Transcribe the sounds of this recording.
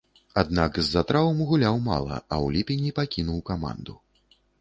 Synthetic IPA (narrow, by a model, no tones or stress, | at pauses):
ad̪nakzːat̪ɾavɐmɣulʲawma̰lˠɐ̰ɐ̰wlʲipʲenʲipakʲinuwkama̰nd̪u